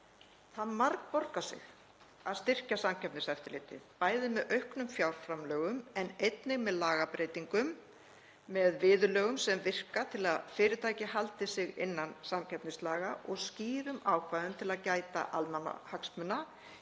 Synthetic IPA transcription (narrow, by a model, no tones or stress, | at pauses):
θaðmaɾkpɔɾkasɪ̰ɣ | aðst̪ɪr̥casamcʰɛpnɪsɛft̪ɪɾlɪt̪ɪ̰ðpaːjðɪmɛðœɥhknʏmfjawɾ̥fɾamlœːɣʏmɛnejt̪nɪɣmɛðlaːɣapɾeːjt̪iŋkʏmː | ɛðvɪːðʏlœːɣʏmsɛmvɪr̥kat̪ʰɪlaðfɪːɾɪt̪ʰaːjcɪɦalt̪ɪsɪɣɪ̰nːansamcʰɛpnɪslaːɣaʔɔɣsciːɾʏmaːwkʰvaːðʏmt̪ʰɪlaðcaːjt̪a̰ʔalmana̰haksmʏnːa